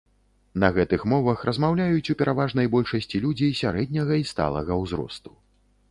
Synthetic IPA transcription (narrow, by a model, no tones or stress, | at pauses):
nɐɣɛt̪ɨxmɔvɐxrɐzmawlʲajut͡sʲupʲɛɾavaʐnɐjbɔlʲʂɐsʲt͡sʲilʲud͡zʲejsʲaɾɛd̪ʲnʲɐɣɐist̪a̰lˠɐ̰ɣɐwzɾɔ̰st̪u̥